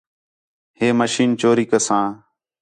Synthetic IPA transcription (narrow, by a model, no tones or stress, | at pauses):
ɦeːməʃiːnt͡ʃoːɾiːkəsãː